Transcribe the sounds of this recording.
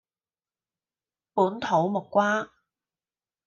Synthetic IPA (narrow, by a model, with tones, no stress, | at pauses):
puː˨˥nt̪ʰo˨˥wmʊ˨kːʷwaː˥